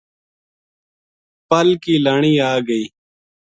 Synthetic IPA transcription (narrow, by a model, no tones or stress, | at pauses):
pəlkiːlaɳ̃iːaːɡəiː